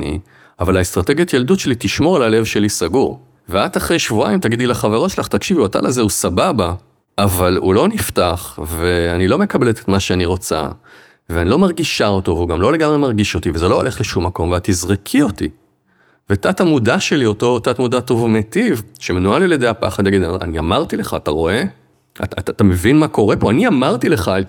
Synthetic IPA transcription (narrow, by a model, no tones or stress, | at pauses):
ḭ | avalaest̪ʁate̞ɡijatjeldutʃe̞litiʃmo̞ʁalale̞vʃe̞lisaɡuʁ | veataχʁe̞jʃvua̰imt̪aɡid̪ilaχaveʁo̞tʃelaχt̪akʃivuata̰lʔazeusababa | ʔavalṵlo̞niftaχve̞anilo̞me̞kabe̞let̪et̪maʃeaniʁo̞t͡sa̰ | veanilo̞maʁɡiʃao̞to̞veuɡamlo̞le̞ɡamʁemaʁɡiʃo̞t̪ivezelo̞olʔe̞χleʃumːako̞mveat̪izʁikʰio̞ti | vetatamudaʃe̞lio̞to̞tat̪mudato̞vmetivʃemenualeljed̪ejapa̰χad̪jaɡid̪aa̰niamaʁt̪ileχaːtaʁo̞e̞ | a̰tatatame̞vinmako̞ʁe̞po̞aniamaʁtile̞χa